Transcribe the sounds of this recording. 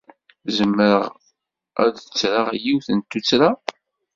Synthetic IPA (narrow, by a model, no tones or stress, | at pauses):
zəmːəɾəʁ | æ̰ðət͡sːɾaʁjiwθənt̪ːut͡sːɾa